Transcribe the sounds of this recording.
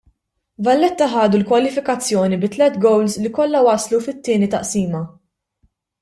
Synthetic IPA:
vɐlːɛt̪ːɐħɐːd̪ulkwɐlɪfɪkɐt͡sːjɔːnibɪt̪ːlɛt̪ɡɔwlslikɔlːɐwɐslufɪt̪ːɪːnit̪ɐʔsiːmɐ

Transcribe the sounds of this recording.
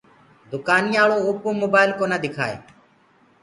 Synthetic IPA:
d̪ʊkaːniːaːɭoːoːpõːmoːbaːɪlkoːnaːd̪ɪkʰa̰ːḛː

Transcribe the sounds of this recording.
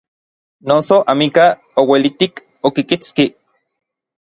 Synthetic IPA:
nosoʔamika | owelit̪ik | okikit͡ski

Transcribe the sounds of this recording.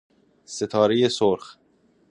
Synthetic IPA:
se̞t̪ʰɒːɾeje̞soɾx

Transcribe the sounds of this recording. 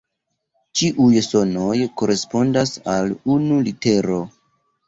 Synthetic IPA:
t͡ʃiʔujso̞no̞jko̞ɾe̞spo̞ndasalunulite̞ɾo̞

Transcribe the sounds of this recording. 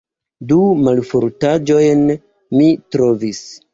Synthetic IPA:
dumalfoɾtad͡ʒo̞jn | mitɾo̞vis

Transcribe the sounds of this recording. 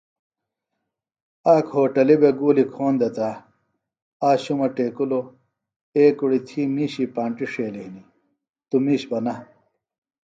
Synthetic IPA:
aːkʰhoːʈɐlibeɡuːlikʰoːnd̪ɐt̪a | aːɕumɐʈeːkulo | eːkuɽit̪ʰiːmiːɕipaːɳʈiʂeːliini | t̪umiːɕbɐnɐ

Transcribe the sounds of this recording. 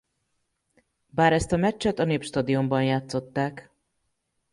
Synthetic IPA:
baːɾɛst̪ɒmɛt͡ʃːɛt̪ɒneːpʃt̪ɒd̪io̞mbɒnjaːt̪so̞t̪ːaːk

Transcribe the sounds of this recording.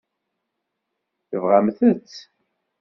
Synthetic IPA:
θəvʁamθət͡sː

